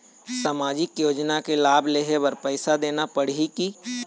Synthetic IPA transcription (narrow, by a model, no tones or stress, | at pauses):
saːmaːd͡ʒɪkjoːd͡ʒnakelaːbleːɦebɐɾpɛːsad̪eːnapɐɽ̤iki